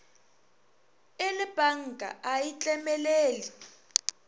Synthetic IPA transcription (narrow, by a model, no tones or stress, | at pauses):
elib̥ʱaŋ̩ɡʱa̰ʔajit͡ɬʼɛmɛleːli